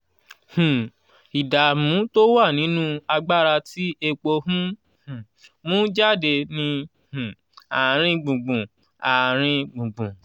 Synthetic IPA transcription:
hũ˨ | i˨da˨mũ˨˦to˦wa˦˨nĩ˨˦nũ˦a˧ɡ͡ba˦ɾa˧ti˦e˧k͡po˧hũ˦ | hũ˨ | mũ˦d͡ʒa˦˨de˧nĩ˧ | hũ˨ | a˨ɾ̃ĩ˧ɡ͡bũ˨ɡ͡bũ˨ | a˨ɾ̃ĩ˧ɡ͡bũ˨ɡ͡bũ˨

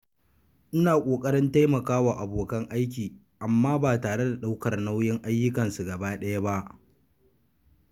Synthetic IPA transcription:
ʔɪ˦naː˨kʷʼoː˨kʼɐ˦ɽɪ˦nta˦jmɐ˨kaː˦waː˨ʔa˨boː˨kɐ˦ŋʔa˦jkʲiː˨ | ʔa˨mːaː˦baː˨taː˨ɽe˦da˨ɗa˦wkɐ˨rna˦wjɪ˦ŋʔa˦jːʊ˦kɐ˨nsu˨ɡɐ˨baː˦ɗɐ˦ja˦ba˦ʔ

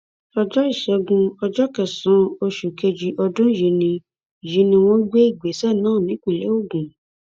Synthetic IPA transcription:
ɔ˧d͡ʒɔ˦i˦˨ʃɛ˧˦ɡũ˧ɔ˧d͡ʒɔ˦kɛ˨sã˨˦o˧ʃu˨ke˧d͡ʒi˧ʔɔ˧dũ˦ji˨˧nĩ˧˨ | ji˧˦nĩ˧w̃ɔ̃˦ɡ͡be˦i˦˨ɡ͡be˨˦sɛ˦˨nãː˦˨nĩ˨˦kĩ˦˨le˨˦o˦˨ɡũ˨

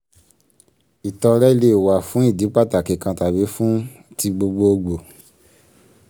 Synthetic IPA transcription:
i˨tɔ˧ɾɛ˦i˦le˦˨wa˨fũ˨˦i˦˨di˨˦k͡pa˦˨ta˨ke˨kã˧ta˨be˨˦fũ˦ | ti˧ɡ͡bo˧ɡ͡bo˧o˧ɡ͡bo˨

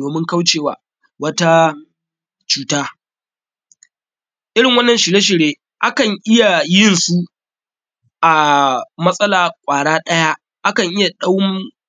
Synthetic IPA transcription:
oː˨mɪ˦ŋka˦wt͡ʃeː˨wa̰ː˨ | wɐ˦ta˦ | t͡ʃuː˦taː˦ | ʔɪ˦ɽɪ˨ŋwɐ˦nːɐ˨nʃɪ˨leː˦ʃ̬ɪ˨ɽeː˦ | ʔa˦kɐ˨ŋʔɪ˦ja˨jɪ˦nsu˦ | ʔa˨mɐ˦sʼɐ˦laː˨kʷʼaː˨ɽaː˦ɗɐ˦ja˦ | ʔa˦kɐ˨ŋʔɪ˦ja˨ɗa˦w

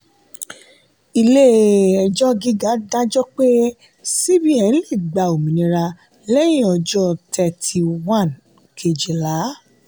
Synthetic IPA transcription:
i˧le˦ɛ˧d͡ʒɔ˦ɡi˦ɡa˨˦dã˦d͡ʒɔ˦k͡pe˦ | si˦bi˦ɛ˨˧n̩˦li˦˨ɡ͡ba˧˨o˨mĩ˨nĩ˧ɾa˧ | lɛ˦j̃ĩ˦ɔ˧˨d͡ʒɔ˦tʰɛ˧tʰi˧wã˦˨n | kʰe˨d͡ʒe˨la˨˦

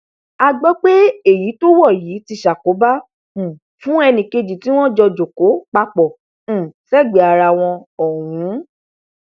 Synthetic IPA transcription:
a˧ɡ͡bɔ˦k͡pe˦e˦˨ji˨˦to˦wɔ˦˨jiː˨˦ti˧ʃa˨ko˨˦bã˦˨ | fũ˦ɛ˧nĩ˧ke˧d͡ʒi˨ti˨˦w̃ɔ̃˦d͡ʒɔ˧d͡ʒo˨ko˨˦k͡pa˧k͡pɔ˨ | sɛ˦˨ɡ͡be˨a˨ɾa˧˨w̃ɔ̃˧ɔ˨wũ˨˦

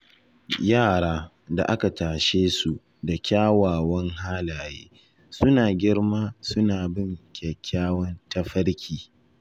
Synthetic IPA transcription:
jaː˦˨ɽaː˦ | da̰˨ʔa˦ka˨taː˨ʃeː˦su˨ | da˨kʲaː˦waː˨wɐ˦ŋɦaː˦laː˨jḛː˦ | sʊ˦naː˨ɡʲɪ˦ɽmaː˦sʊ˦naː˨bɪ˦˨ŋkʲɛ˨kʲːaː˦wɐ˦nta˦ɸɐ˦ɽkʲʰiː˨

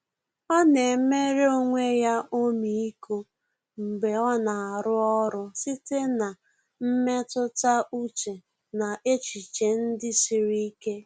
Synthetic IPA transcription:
ɔ˦ne˨˦me˦ɾe˦o˦ŋʷe˦ja˦ʔo˦mi˨i˦ko˦ | m̩˨ɡ͡be˨ɔ˦na˨a˨ɾʊ˦ɔ˦ɾʊ˦si˦te˦na˨ | m̩˦me˦tʊ˦ta˦u˦t͡ʃe˨ | na˨ʔe˦t͡ʃi˨t͡ʃe˨n̩˦dɪ˦si˨ɾi˦i˦ke˦

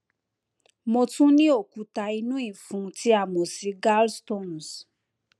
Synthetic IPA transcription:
mo˧tũ˦nĩ˦o˦˨ku˨˦ta˧i˧nũ˦ĩ˦˨fũ˨˧˦tʰi˦a˦˨mo˨si˧˦ɡa˦lsto˦˨n˨s

